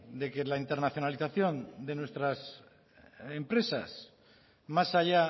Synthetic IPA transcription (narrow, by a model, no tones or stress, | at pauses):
d̪e̞ke̞laint̪e̞ɾnaθjo̞naliθaθjo̞nd̪e̞nwe̞st̪ɾas | empɾe̞sa̰s | masaʎa